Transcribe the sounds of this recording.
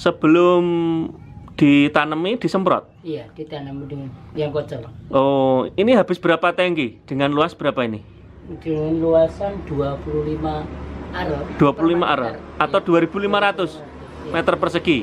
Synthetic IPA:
səb̥əlʊm | d̪̥it̪anəmid̪̥i̤səmpɾɔ̰t̪̚ijad̪̥it̪anəmduŋjaŋkɔt͡ʃɔlʔoiniɦab̥ɪsb̥əɾapat̪ɛŋkid̪̥əŋanluasb̥əɾapaini | d̥ənluasand̪̥uapululimaaɾɔd̪̥uapululimaʔaɾa̰at̪awd̪̥uaɾib̥ulimaɾat̪ʊs | mɛt̪ərpərsəki

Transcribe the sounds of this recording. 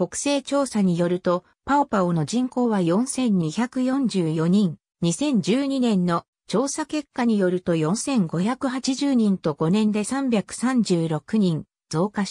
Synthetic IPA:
ko̞kɯ̥se̞ːt͡ɕo̞ːsaɲ̟ijo̞ɾɯ̟t̪o̞ | paopaono̞ʑĩŋko̞ːβajõ̞ɰ̃sẽ̞ɲ̟ɲ̟içakɯ̟jõ̞ɲd͡ʑɨːjo̞ɲ̟ĩŋ | ɲisẽ̞ɲ̟d͡ʑɨːɲ̟inẽ̞nːo̞ | t͡ɕo̞ːsake̞kːaɲ̟ijo̞ɾɯ̟t̪o̞jõ̞ɰ̃sẽ̞ŋɡo̞çakɯ̟ɦat͡ɕiʑɨːɲ̟ĩnt̪o̞ɡ̥o̞nẽ̞nd̪e̞sãmbʲjakɯ̟̥sãɲd͡ʑɨːɾo̞kɯ̟ɲ̟ĩn | d͡z̥o̞ːkaɕ

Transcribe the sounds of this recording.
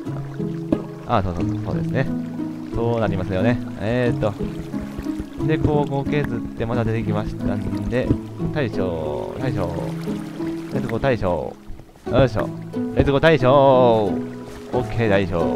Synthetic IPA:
aːso̞ːsoso̞̰ːd̪e̞sɨne̞ | so̞ːnaɾʲimasɨjo̞ne̞eːt̪ːo̞ | d̪e̞koːkoke̞zɨt̪ːe̞mad̪ad̪e̞t̪ekʲimaɕi̥t̪and̪e̞ | t̪aiɕo̰ːt̪aiɕ̬o̰ː | ɾe̞t͡sɨɡo̞t̪aiɕo̰ː | oɕ̬o̰ːɾezɨɡo̞t̪aiɕoː | okʰːe̞ːd̪aiɕo̰ː

